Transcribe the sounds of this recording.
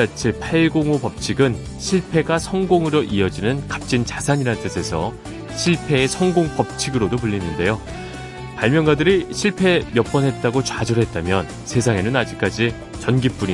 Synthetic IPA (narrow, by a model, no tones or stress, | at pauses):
at͡ɕʰepʰaɭɡoŋopʌp̚t͡ɕʰiɡɯn | ɕʰiɭpʰe̞ɡasʰʌŋɡoŋɯɾoʔiʌd͡ʑinɯnkap̚t͡ɕ͈int͡ɕasʰaɲiɾant͈esʰe̞sʰʌ | ɕʰiɭpʰe̞ːsʰʌŋɡoŋpʌp̚t͡ɕʰiɡɯɾodopuʎːinːɯnde̞jo | paɭmjʌnɡadɯɾiɕʰiɭpʰe̞jʌp͈ʌnɦe̞t̚t͈aɡot͡ɕad͡ʑʌɾɦe̞t̚t͈amjʌn | sʰe̞s̬ʰaŋe̞nɯnad͡ʑik͈̚ad͡ʑi | t͡ɕʌnɡip͈uɲi